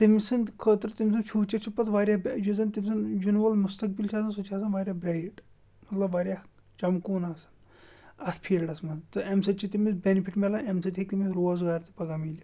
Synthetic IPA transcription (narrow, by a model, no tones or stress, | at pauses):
t̪imsɐnkʰət̪ɾt̪imʲs̬ɐnt͡ʃʰuːt͡ʃɐt͡ʃʰipɐt̪ʰʋaːɾjabd͡ʒuzɐnt̪imʲsɐnd͡ʒunʋɐlmust̪ɐk̚bilt͡ʃʰaːsɐnsut͡ʃʰaːs̬ɐnʋaːɾʲjaːbɾajʈ | mɐt̪lɐbʋaːɾʲja | t͡ʃɐmkuːnaːsɐ̥n | ɐt̪ʰpʰiːlɖɐsmɐnt̪ɨemsɐt͡ʃʰit̪imisbʲenipʰiʈmelɐnemsɐt̪ʰʲikt̪imiɾoːzɡaːɾt̪i̥pɐɡamiːlʲja